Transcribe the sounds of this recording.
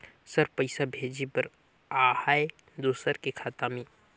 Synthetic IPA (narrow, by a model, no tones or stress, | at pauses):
səɾpəɪsabʱeːd͡ʒipəɾ | aːhaːe | d̪oːsəɾkekʰaːt̪aːmi